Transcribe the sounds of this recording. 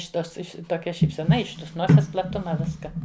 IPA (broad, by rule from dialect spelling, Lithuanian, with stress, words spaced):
ɪʃʲ ˈtoːs ˈɪʃʲ toːˈkʲɛ ʃʲiːpʲsʲɛˈnɐ ɪʃ ˈtoːs ˈnoːsʲɛs plˠɐˈtʊmɐ ˈʋʲɪskɐ